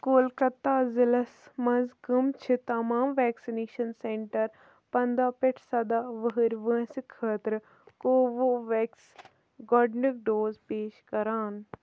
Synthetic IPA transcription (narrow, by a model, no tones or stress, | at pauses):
koːlkɐt̪ːaːzɪlɐsmɐzkɐmt͡ʃʰit̪ɐmaːmʋɛːksineːʃɐnseɳʈɐɾ | pɐnd̪aːpɪʈʰsɐd̪aːʋəɦəɾʋə̃ːsikʰːəːt̪ɾ | koːʋoʋɛːks | ɡɔːɖnik̚ɖoːzpeːʃkɐɾaːn